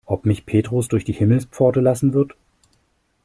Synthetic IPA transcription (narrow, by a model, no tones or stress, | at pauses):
ʔɔpmɪçpʰeːtʁ̥osd̥ʊɐçd̥iːhɪml̩spp͡fɔɐtəlasn̩vɪɐt